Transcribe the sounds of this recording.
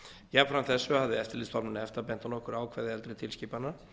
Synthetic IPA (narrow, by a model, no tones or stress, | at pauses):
jɛfɾamt̪θɛsːʏhavðɪɛft̪ɪliːst̪ʰalmʏnɪɛft̪apɛnt̪anɔhkʏɾaːwkʰvɛːðɪɛlt̪ɾɛt̪ʰɪlsciːpanːa